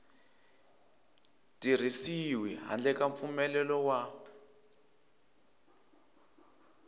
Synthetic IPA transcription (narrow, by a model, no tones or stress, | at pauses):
tir̤isiwiɦa̰nd͡ɮɛkaɱfumɛlɛlɔwa